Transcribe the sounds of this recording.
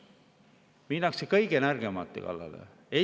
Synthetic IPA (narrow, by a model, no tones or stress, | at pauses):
minːɑksekɤjɡ̥enærɡ̥e̞mɑ̰t̪ːˑḛkɑ̰lːɑ̰lḛ | e